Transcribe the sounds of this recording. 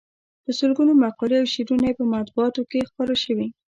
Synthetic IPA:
d̪̥əsəlɡunomaqɑɾeawʃiɾunajepəmat̪̚buɑt̪okexpɑɾaʃəwi

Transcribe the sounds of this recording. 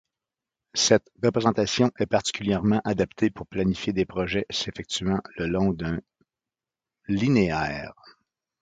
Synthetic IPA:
sɛt̪ʁəpʁezɑ̃t̪asjɔ̃ʔɛpaʁt̪i̥kʲyljɛʁmɑ̃ʔad̪apt̪ʰepuʁplanifjed̪epʁɔʒɛsefɛk̚t̪ɥɑ̃ləlɔ̃d̪ɛ̃ | lineɛːʁ

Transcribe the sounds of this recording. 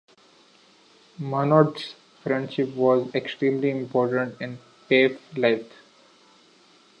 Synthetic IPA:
manɔːʈs | fɾɛ̃ɳɖʃɪpʋɔːzeksʈɾĩːmliɪ̃mpɔːɾʈə̃ɳʈɪ̃n | peːflaɪt̪

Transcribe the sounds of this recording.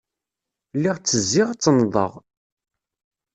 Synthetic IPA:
lːiʁt͡sːəzːiʁt͡sːənðˤə̰ʁ

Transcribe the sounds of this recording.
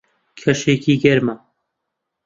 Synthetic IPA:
kʰɐʃeːkiːɡɛɾma

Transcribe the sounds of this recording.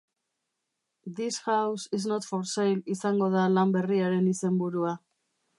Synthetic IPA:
d̪ishawsisnot̪foɾsajlisaŋɡo̞ð̞alambe̞riaɾe̞nise̞mbuɾua

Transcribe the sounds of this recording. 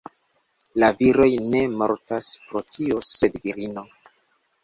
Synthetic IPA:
laviɾo̞jne̞mo̞̰ɾtaspɾo̞tʰio̞se̞dviɾino̞

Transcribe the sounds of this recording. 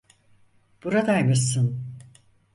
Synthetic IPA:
b̥uɾad̪ajmɯsɯn

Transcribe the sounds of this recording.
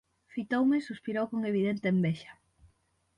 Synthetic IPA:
fit̪owmɪsuspiɾowkoŋeβ̞iðent̪eːmbɛʃɐ̥

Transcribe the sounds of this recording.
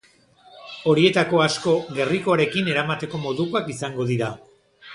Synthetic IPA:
o̞ɾie̞t̪ako̞asko̞ɣe̞riko̞aɾe̞kine̞ɾamat̪e̞ko̞mo̞ðuko̞akisaŋɡo̞ðiɾa

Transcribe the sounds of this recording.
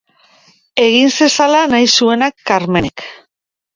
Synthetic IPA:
e̞ɣinse̞salanajsue̞nakːaɾme̞nek

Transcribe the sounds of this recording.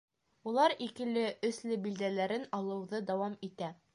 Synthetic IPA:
ulˠɑɾikɘ̆lɘʔɵ̆slɘbild̪ælæɾɘnɑlˠɤ̆wðɤd̪æwɑmit̪æ

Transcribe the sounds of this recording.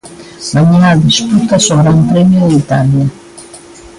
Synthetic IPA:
maɲinad̪isput̪asoɣɾampɾemjod̪eit̪alja

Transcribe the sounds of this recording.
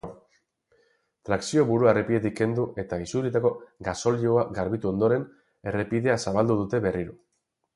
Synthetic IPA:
t̪ɾaksio̞βuɾuarepie̞t̪̬ikːe̞nd̪uʔe̞t̪aisuɾit̪ako̞ɡaso̞lioaɡaɾβit̪uo̞nd̪o̞ɾe̞n | e̞re̞pið̞e̞asaβald̪uð̞ut̪e̞βe̞riɾo

